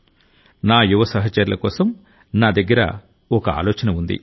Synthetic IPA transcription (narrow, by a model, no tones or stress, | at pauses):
naːjuʋɐsɐɦɐt͡ʃɐɾulɐkɔːsɐm | naːd̪ɐɡːɐɾɐ̰ | ɔkɐa̰ːlɔːt͡ʃɐnɐund̪ḭ